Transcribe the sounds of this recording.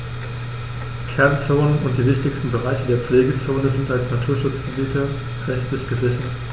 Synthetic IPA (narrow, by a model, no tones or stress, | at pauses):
kʰɛɐnt͡soːnənʊnt̚d̥iːvɪçtɪçstn̩bəʁ̞aɪçədeːɐpp͡fleːɡət͡soːnəzɪntalsnatʰuːɐʃʊt͡sɡ̥əbiːtʰə | ʁɛçtlɪçɡ̥əzɪçɐt